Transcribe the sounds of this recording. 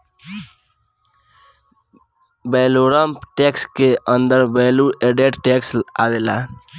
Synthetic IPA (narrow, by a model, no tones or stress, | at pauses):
bɛloɾəmpʈekskeʔənd̪əɾbelueɖeʈʈeksabela